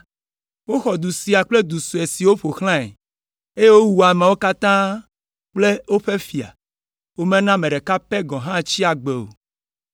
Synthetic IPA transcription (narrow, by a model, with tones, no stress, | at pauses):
wo˦xɔ˨d̪u˨si˨a˨k͡ple˦d̪u˨su˨e˨si˨wo˦ɸo˨xl̃ã˦ḛ˨ | e˦je˦wo˦wu˨a˨mẽ˨wo˦ka˦t̪ã˦ | k͡ple˦wo˦ɸe˦fi˨a̰˨ | wo˦mẽ˦nã˦mẽ˨ɖe˨ka˦pe˦ɡɔ̃˨ɦã˦t͡ɕi˦a˨ɡ͡be˨o̰˨